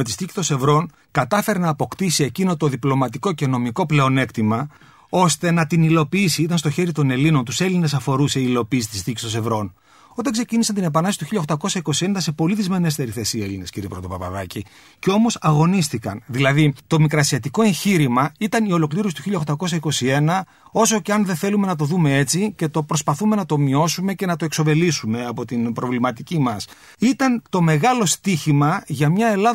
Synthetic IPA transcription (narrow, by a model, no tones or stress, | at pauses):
met̪ist̪ici̥st̪o̞nse̞vɾo̞n | kɐt̪ɐfe̞ɾenɐːpo̞kt̪isie̞cino̞t̪o̞ðiplo̞mɐt̪iko̞ce̞no̞miko̞ple̞o̞ne̞kt̪imɐ | o̞st̪e̞nɐt̪inilo̞piisiit̪ɐnst̪o̞çe̞ɾit̪o̞ne̞lino̞nt̪use̞line̞sɐfo̞ɾuse̞iːlo̞piːsi̥t̪ist̪icist̪o̞nse̞vɾo̞n | o̞t̪eksecinisɐnt̪ine̞pɐnɐsi̥t̪uçiʎɐxt̪ɐko̞sɐiko̞sie̞nd̪ɐse̞po̞liðizme̞ne̞st̪e̞ɾiθe̞sie̞line̞sciɾipɾoðopɐpɐ̰ðɐci | ceo̞mo̞sɐɣo̞nist̪ikɐnðilɐðit̪o̞mikɾɐsiɐt̪iko̞ẽ̞ɲçiɾimɐit̪ɐnio̞lo̞kliɾo̞sit̪uçiʎːɐxt̪ɐko̞s̬ɐikosie̞nɐ | o̞so̞ceɐnðe̞θe̞lume̞nɐt̪̬o̞ðume̞e̞t͡sice̞t̪o̞pɾo̞spɐθume̞nɐt̪o̞mio̞sume̞ce̞nɐt̪o̞e̞kso̞ve̞lisume̞ɐpo̞t̪inbɾo̞vlimɐt̪icimɐs | it̪ɐnt̪o̞me̞ɣɐlo̞st̪içimɐʝɐmɲɐe̞lɐ